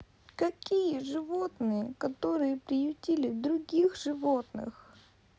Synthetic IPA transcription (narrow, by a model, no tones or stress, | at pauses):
kɐkʲijəʐɨvot̪nɨjəkɐt̪oɾɨjəpɾʲɪjʊtʲilʲɪd̪ɾʊɡʲixʐɨvo̞t̪nɨ̰x